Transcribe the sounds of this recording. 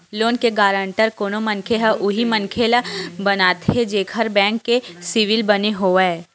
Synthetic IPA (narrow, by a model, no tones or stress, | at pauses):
loːnkeɡaːɾə̃ɳʈəɾkoːnomɐ̃nkʰeɦaʔʊɦimɐ̃nkʰeːlabɐnaːt̪ɦed͡ʒeːkʰəɾbɛ̃ːŋkːesɪʋɪlbɐneɦoːɛː